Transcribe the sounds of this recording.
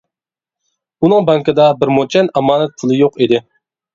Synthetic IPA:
unɨŋbɑŋkɪd̪ɑbɪɾmot͡ʃʰɛnɑmɑːnɛt̪̚pʰʊlˠɪjoqid̪ɪ

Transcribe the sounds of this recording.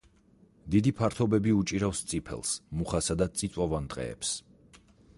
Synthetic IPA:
d̪id̪ipʰaɾt̪ʰɔbɛbiut͡ʃʼiɾafst̪sʼipʰɛ̰lˠsmuχasad̪at̪sʼit̪sʼwavand̪qʼɛ̰ɛ̰ps

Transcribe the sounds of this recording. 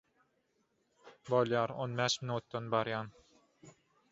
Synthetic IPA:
bolˠjɑːɾonbæːʃminuːt̪ːonbɑɾjɑːn

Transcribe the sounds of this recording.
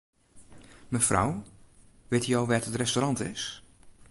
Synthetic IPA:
məfrɔ̰w | ʋɪtijowʋɛːtətrɛstorɑntɪs

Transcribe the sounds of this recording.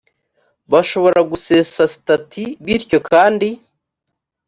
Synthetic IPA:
βaʃo̞βo̞ɾaɡuse̞ːsasi̥tatʰiβiɾco̞kʰaːndi

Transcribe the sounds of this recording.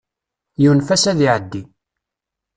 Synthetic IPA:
junfæsæðiʕəd̪ːi

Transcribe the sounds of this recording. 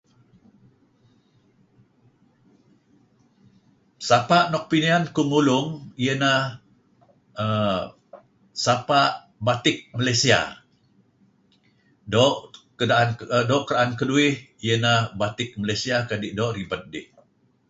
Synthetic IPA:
sapaʔnɔk̚piniankumulʊŋijənah | ə | sapaʔ | bat̪ɪk̚məlajsia̰ | dɔʔkədaʔandɔʔkəɾaʔankəduɪh | ijənahbat̪ɪk̚məlajsiakadɪʔdɔʔribət̪̚dɪ̰ʔ

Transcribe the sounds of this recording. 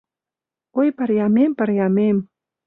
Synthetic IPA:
ojpəɾjɑmempəɾjɑmem

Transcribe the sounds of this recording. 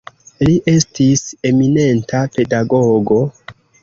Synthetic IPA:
liʔe̞stise̞mine̞ntape̞daɡoɡo̞

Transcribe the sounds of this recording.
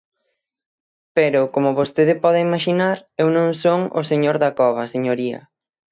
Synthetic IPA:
peɾʊkomʊβost̪eðɪpɔðeimaʃinaɾewnõŋsoŋo̰seɲoɾðakɔβ̞ɐseɲoɾiɐ̰

